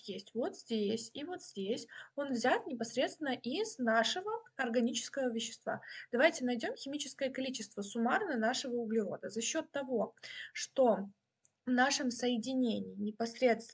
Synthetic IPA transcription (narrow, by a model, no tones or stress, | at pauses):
jesʲtʲvo̞t̪zʲdʲesʲivo̞t̪zʲdʲesʲo̞nvzʲat̪nʲɪpɐsɾʲet̪st̪vʲɪnəʔiznaʂɨvəɐrɡɐnʲit͡ɕɪ̥skəvəvʲɪɕːɪ̥st̪va̰d̪̥ɐvajtʲɪnɐjdʲo̞mxʲɪmʲit͡ɕɪ̥skəjəkɐlʲit͡ɕɪst̪vəsʊmarnənaʂɨvəʊɡlʲɪɾo̞̰d̪əzɐɕːo̞t̪ːɐvo̞ʂt̪o̞ | vnaʂɨmsəjɪdʲɪnʲenʲɪjɪnʲɪpɐsɾʲe̞t̪st̪